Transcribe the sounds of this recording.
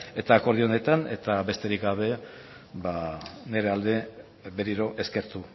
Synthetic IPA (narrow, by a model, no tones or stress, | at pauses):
e̞t̪aːko̞ɾðio̞ne̞t̪ane̞t̪abe̞st̪e̞ɾikɡaβ̞e̞ | βane̞ɾe̞ald̪e̞ | be̞ɾiɾo̞ʔe̞ske̞ɾt̪u